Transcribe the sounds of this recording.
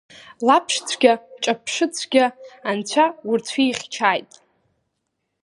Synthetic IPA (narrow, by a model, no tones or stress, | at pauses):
lapʰʂt͡sʷʰɡʲat͡ʃʼapʰʂɨt͡sʷʰɡʲaant͡ɕʷʰaurt͡sʷʰiːχʲt͡ʃʰaːjtʼ